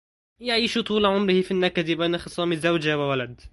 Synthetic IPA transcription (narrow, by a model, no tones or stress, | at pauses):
jaʕiːʃut̪ˤuːlʕʊmɾɪhɪfinːakːad̪ibajnaxɨsˤɑːmɪzːawd͡ʒawɪwalad̪